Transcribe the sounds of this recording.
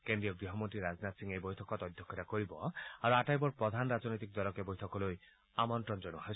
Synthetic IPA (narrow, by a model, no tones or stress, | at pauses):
kend̪ɾijɔɡɾiɦɔmɔnt̪ɾiɾad͡ʒnat̪siŋejbɔjt̪ʰɔkɔt̪ɔd̪ʱjɔkʰːet̪akoɾibɔaɾuaʈajbɔɾpɾɔd̪ʱanɾad͡ʒnɔjt̪̬ik̚d̪ɔɾɔkebojt̪ʰɔkɔloj | amɔntɾɔnd͡ʒɔnuha